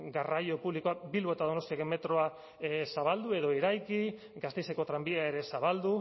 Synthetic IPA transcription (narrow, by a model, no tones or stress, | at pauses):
ɡarajo̞puβlikoabilβo̞e̞t̪aðo̞no̞st̪iakeme̞t̪ɾo̞a | saβ̞ald̪ue̞ðo̞iɾajki | ɡast̪e̞jseko̞t̪ɾambieaeɾe̞saβald̪u